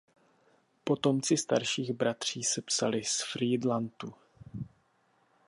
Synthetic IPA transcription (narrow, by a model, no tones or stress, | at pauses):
po̞t̪o̞mt͡sɪst̪aɾʃiːɣbɾat̪r̝̥iːsɛpsalɪsfɾiːdlant̪u